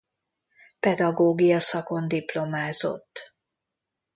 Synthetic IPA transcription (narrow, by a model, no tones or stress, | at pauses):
pɛd̪ɒɡoːɡijɒsɒko̞nd̪iplo̞maːzo̞̰t̪ː